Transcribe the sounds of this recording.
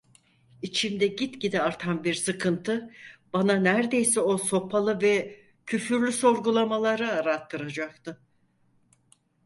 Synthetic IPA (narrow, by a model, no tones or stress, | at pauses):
it͡ʃʰimd̪ɛɟit̪ɟid̪iaɾt̪ʰanbiɾsɯkʰɯnt̪ʰɯb̥ananæɾd̪e̞jsɛo̞so̞pʰalˠɯvɛ | cʰyfyɾlʲyso̞ɾɡulˠamalˠaɾaːɾat̪ʰːɯɾad͡ʒak̚t̪ɯ